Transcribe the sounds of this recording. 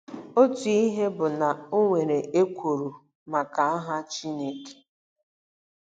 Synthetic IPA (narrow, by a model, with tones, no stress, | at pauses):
o˦tu˨i˦ɦe˦bʊ˨na˨o˦ŋʷe˨ɾe˨e˦kʷo˨ɾu˨ | ma˨ka˨a˦ɦa˦t͡ʃi˦ne˦ke̥˦